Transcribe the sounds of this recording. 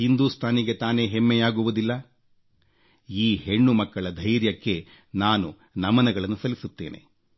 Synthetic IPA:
hind̪uːst̪ʰaːniɡe̞t̪aːne̞ːɦemːɛjaːɡuʋud̪ilːɐ | iːhe̞ɳːumɐkːɐɭɐd̪ʱɐjɾjɐkːe̞ | naːnu | nɐmɐnɐɡɐɭɐnːusɐlisut̪ːe̞ːnʔe̞̰

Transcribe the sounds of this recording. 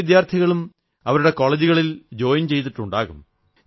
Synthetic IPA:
d̪jaːrt̪ʰiɣɐɭum | ɐʋɐɾuɽe̞ko̞ːɭed͡ʑuɣɐɭild͡ʑo̞ːjiɲt͡ɕe̞jt̪̬iʈːuɳɖaːɣum

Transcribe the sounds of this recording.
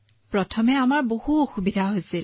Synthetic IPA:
pɹɔtʰɔmɛamaɹbohuɔxubidʱaɦojsil

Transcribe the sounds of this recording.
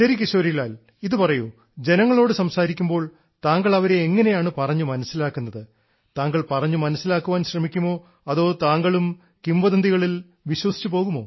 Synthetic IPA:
ɕɐɾikːiɕoːɾijlaːl | iðɨpɐrɐju | d͡ʑe̞nɐŋːɐɭo̞ːɽɨsɐmsaːɾikʲːumbo̞ːɭ | t̪aːŋɡɐɭɐʋɐɾe̞ːŋːɐne̞jaːɳɨpɐrɐɲːumɐnɐsːilaːkːunːɐðɨ | t̪aːŋɡɐɭpɐrɐɲːumɐnɐsːilaːkːuʋaːnɕrɐmikʲːumo̞ː | ɐðo̞ːt̪aːŋɡɐɭum | kimbɐðɐnd̪iɣɐɭil | ʋiɕwɐsi̥t͡ɕːupo̞ːɣumo̞ː

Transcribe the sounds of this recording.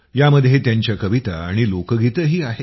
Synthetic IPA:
jaməd̪ʱjet̪jaɲt͡ɕjakəʋit̪a̰a̰ɽ̃ilokəɡʱit̪əɦiːaɦe

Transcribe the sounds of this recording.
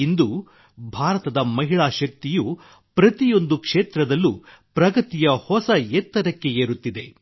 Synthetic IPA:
ind̪u | bʱaːɾɐt̪ɐd̪ɐmɐɦiɭaːʃɐk̚t̪iju | pɾɐt̪ijo̞nd̪ukʂeːt̪ɾɐd̪ɐlːupɾɐɡɐt̪ijɐhɔsɐɛt̪ːɐɾɐkːe̞eːɾut̪ːid̪e̞

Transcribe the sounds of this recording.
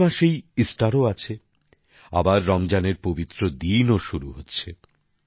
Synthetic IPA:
aʃejisʈaɾoat͡ɕʰe | a̰baɾːɔmd͡ʑaneɾpobit̪ːɾod̪inoʃuɾuɦotːɕʰe

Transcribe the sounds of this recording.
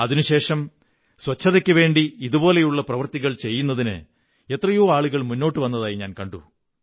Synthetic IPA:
ɐðinuɕe̞ːʂɐm | swɐt͡ɕʰːɐðekʲːɨʋe̞ːɳɖiiðubo̞ːle̞juɭːɐprɐʋɐrt̪iɣɐɭt͡ɕe̞jːun̪ːɐðinɨ̰ | e̞t̪rɐjoːaːɭuɣɐɭmunːo̞ːʈːɨʋɐnːɐðaːjiɲaːnkɐɳɖu

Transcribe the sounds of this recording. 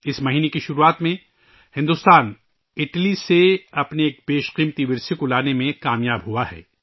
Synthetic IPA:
ɪsmɐɦiːnekiʃʊɾuaːt̪mẽ | hɪ̃nd̪ʊst̪aːn | ɪʈliseɐpneeːk̚peːʃqiːmt̪iʋɪɾsekolaːnemẽkaːmjaːbɦuahɛ̰ː

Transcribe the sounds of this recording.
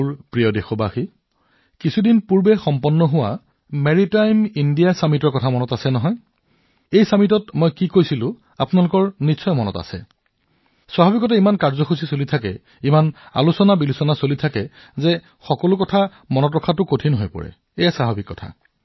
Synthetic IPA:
ɹpɹijɔdexɔbaxi | kisʰudinpuɹbɛxɔmpɔnːɔɦʊwa̰ | meɹitajmindijasamitɔɹkɔtʰamɔnɔtasɛnɔɦɔj | ejsamitɔtmojkikojsilʊ̃ | a̰pʊnalʊkɔɹnisʰɔjmɔnɔ̰ta̰sɛ̰ | swaɦabikɔtɛimankaɹzɔxusisolitʰakɛ̰ | imana̰lusɔnabilusɔnasolitʰakɛ | zɛ | xɔkɔlʊkɔtʰa | mɔnɔtɔkʰatʊkotʰinɦojpɔ̰ɹɛ̰ | ejasaɦabikːɔtʰa̰

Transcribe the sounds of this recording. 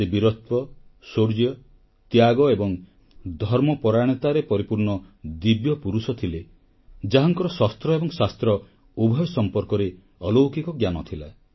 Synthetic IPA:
sebiɾɔt̪̚pɔsoɾd͡ʒjɔ | t̪jaɡɔebɔŋ | d̪ʱɔɾmɔpɔɾaɽ̃it̪aɾepɔɾipuɾɳɔd̪ibjɔpuɾusɔt̪ʰile | d͡ʒaɦɔŋkɔɾɔsɔst̪ɾɔebɔŋsast̪ɾɔ | ubʱɔjɔsɔmpɔɾkɔɾe | ɔlowkikɔɡjanɔt̪ʰila̰

